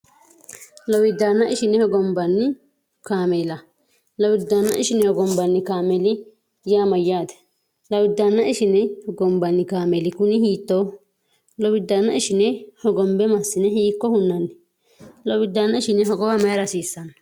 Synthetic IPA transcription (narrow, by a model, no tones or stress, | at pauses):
lɔwɪd̪ːanːɐʔɪʃɪnɛhɔɡɔmbɐnːɪ | kaːmɛlɐ | lɐwɪd̪ːanːɐ̰ʔɪʃɪnɛhɔɡɔmbɐnːɪkaːmɛlɪ | jaːmɐjːaːd̪ɛ̥ | lɐwɪd̪ːanːɐɪʃɪnɛhɔɡɔmbɐnːɪkaːmɛlɪkʊnɪhiːt̪ːoː | lɔwɪd̪ːanːɐɪʃɪnɛhɔɡɔmbɛmɐsːɪnɛhiːkːɔhʊnːɐnːɪ | lɔwɪd̪ːanːɐɪʃɪnɛɦɔɡɔwɐmɐjɾɐsiːsːɐnɐ